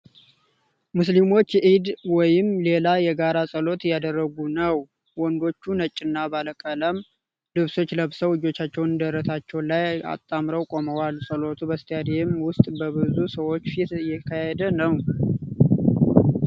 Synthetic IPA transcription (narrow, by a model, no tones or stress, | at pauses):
muslimo̞t͡ʃːʔid̪wɔjɪmle̞lajɛɡaɾasʼəlo̞t̪jad̪ərːəɡunəw | wɔnd̪o̞t͡ʃːunət͡ʃʼːɪnːabaləkʼələm | lɨβso̞t͡ʃːləβsəwɨd͡ʒo̞t͡ʃːat͡ʃːɛwnɨnd̪əɾːət̪at͡ʃːɛwlaja̰t̪ʼːamɾəwkʼo̞məwalsʼəlo̞t̪ʰubəst̪ʰjad̪emwʊst̪ʼbəbɨzusəwo̞t͡ʃːfit̪jɛkʰahɛd̪ənəw